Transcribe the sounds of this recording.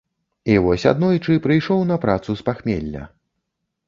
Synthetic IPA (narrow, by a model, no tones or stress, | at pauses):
ivɔsʲa̰d̪nɔjt͡ʂɨpɾɨjʂɔwnɐpɾat̪suspaxmʲḛlʲːɐ̰